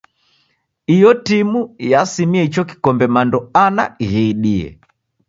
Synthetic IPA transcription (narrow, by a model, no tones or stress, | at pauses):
ijɔtimujasimiɛit͡ʃɔki̥kɔmbɛmandɔana̰ɣɛiɗiɛ̰